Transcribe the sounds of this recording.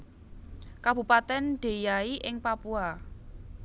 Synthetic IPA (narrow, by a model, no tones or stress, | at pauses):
kab̥ṳpat̪ɛnɖ̪̥e̤jaiʔɪŋpapua